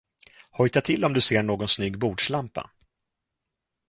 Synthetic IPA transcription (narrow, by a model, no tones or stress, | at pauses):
hɔjt̪at̪ʰɪlːɔmd̪ɵseːɳoːɡɔnsnyːɡbuːɖʂlampa̰